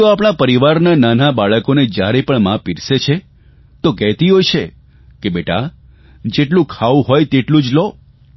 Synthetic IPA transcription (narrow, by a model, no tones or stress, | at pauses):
oapɽ̃apəɾiʋaɾnananabaɭəkoned͡ʒjaɾepəɳmãpiɾset͡ʃʰe | t̪okɛɦt̪iɦojt͡ʃʰe | kebeʈa̰ | d͡ʒeʈlũkʰaʋũɦojt̪eʈlũd͡ʒlo